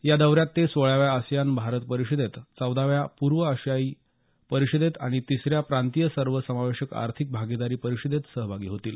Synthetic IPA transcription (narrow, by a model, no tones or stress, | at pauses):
jad̪əwɾjat̪ːesʋəɭaʋjaəsjanbʱaɾət̪pəɾiɕid̪et̪t͡səwd̪aʋjapuɾʋəəɕjaiː | pəɾiɕid̪et̪aɽ̃it̪isɾjapɾant̪ijəsəɾʋəsəmaʋeɕəka̰ɾt̪ʰik̚bʱaɡid̪aɾiːpəɾiɕid̪et̪səɦbʱaɡiːɦot̪iːl